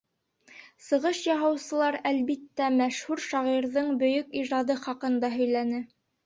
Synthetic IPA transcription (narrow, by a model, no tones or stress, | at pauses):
sɤ̆ʁɤʃjɑɦɑ̆wsɤ̆lˠɑɾælβit̪ːæmæʃhʉɾʃɑʁiɾðɤɴbɵ̆jɵkiʒɑd̪ɤχɑqɤ̆nd̪ɑɦɵ̆jlænɘ